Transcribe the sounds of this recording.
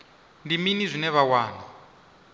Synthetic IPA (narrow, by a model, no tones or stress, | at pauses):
ndiminizʷinɛβawaːna